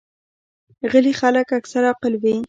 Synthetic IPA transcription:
ɣəlixaləkaksaɾɑqəlwi

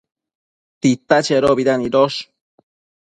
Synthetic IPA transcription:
t̪it̪at͡ʃeɾobid̪aniɾoʃ

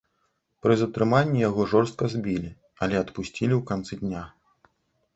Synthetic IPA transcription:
pɾɨzɐt̪ɾɨmanʲːijaɣɔʐɔrst̪̚kɐzʲbʲilʲi | ɐlʲɛɐt̪pusʲt͡sʲilʲiwkant̪sɨd̪ʲnʲa

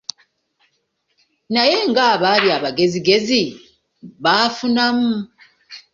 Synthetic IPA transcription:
naje̞ŋɡaːβaːβjaβaɡe̞ziɡe̞zi | βaːfunamu

